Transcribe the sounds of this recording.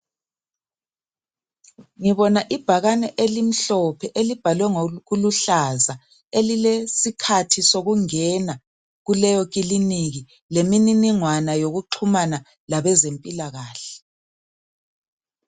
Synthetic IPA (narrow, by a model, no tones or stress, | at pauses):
ŋiβɔnaʔib̥ʱaɣanɛʔelim̩ɬɔpʰɛʔelib̥ʱalwɛŋɣuluɬaza | elilesikʰatʰisoɣuŋɛna | ɣulɛjɔɣ̬ʼiliniɣi | lemininiŋwanajoɣuǃʰumana | laβɛzempʼilaɣaːɬɛ̥